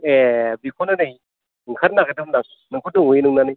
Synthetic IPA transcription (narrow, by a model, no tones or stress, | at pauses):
ebikʰonɯnɯj | ɯŋkʰaɾnaɡɯdɯmnak̚ | nɯŋkʰudɯŋujnɯŋnanɯj